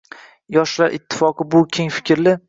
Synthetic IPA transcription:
jɒʃlaɾʔɪ̰t̪ʰːɪ̥fɒqɨbʊkʲʰe̞ŋfɪ̥kʲɾlɪ

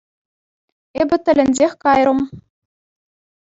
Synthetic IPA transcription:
ebʲɘ̆t̪ʲɘ̆lʲɘ̆nʲzʲexʲkɑjrɤ̆m

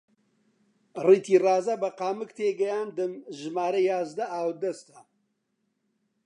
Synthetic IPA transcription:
riːt̪ʰiːrɑːzɐbɐqaːmɨkt̪ʰeːɡɐjaːnd̪ɨmʒɨmaːɾɐjaːzd̪ɐʔaːwd̪ɐst̪ɐ

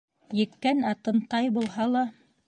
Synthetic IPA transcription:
jɘ̆kːænɑt̪ɤ̆nt̪ɑjbulˠɦɑlˠɑ

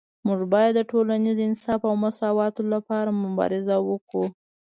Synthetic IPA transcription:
muʐbɑjad̪ːəʈolanizɪnsɑfawmasɑwɑt̪olapɑɾamʊbɑ̰ɾɪzawəku

